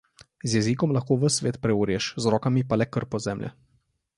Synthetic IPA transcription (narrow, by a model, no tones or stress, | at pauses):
zjɛzikɔmlaxkoːʋəsʋeːt̪pɾɛuːɾʲjɛʃzɾɔːkamipalɛkəɾpɔzɛːmlʔɛ̰